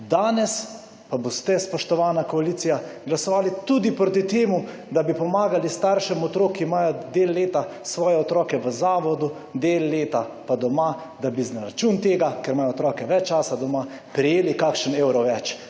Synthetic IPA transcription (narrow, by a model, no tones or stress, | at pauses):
d̪aːnɛs | pabost̪ɛspɔʃt̪ɔʋaːnakɔaliːt̪sijaɡlasɔʋaːlit̪ud̪ipɾoːt̪̬it̪eːmu | d̪abipɔmaːɡalist̪aɾʃɛmɔt̪ɾoːkiːmaːjɔd̪eːlːeːt̪asʋɔːjɛɔt̪ɾɔːkɛʋəzaːʋɔd̪u | d̪eːlːeːt̪apad̪ɔma | d̪abiznaɾat͡ʃuːnt̪eːɡakɛɾmaːjɔt̪ɾɔːkɛʋɛt͡ʃːt͡ʃaːsad̪ɔma | pɾɛjeːlikakʃənewɾɔʋɛt͡ʃ